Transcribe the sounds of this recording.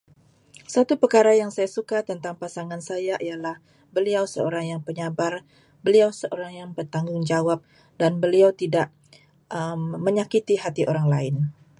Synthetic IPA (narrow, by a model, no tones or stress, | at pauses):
sat̪upərkaɾajaŋsajasukat̪ənt̪aŋpasaŋansajaʔialah | bəliawsəo̰ɾaŋjaŋpəɲabar | bəliawsəʔoɾaŋjaŋbərt̪aŋɡʊŋd͡ʒawap̚ | danbəliawt̪idaʔ | ʔəmːəɲakit̪iɦat̪iʔoɾaŋlaɪn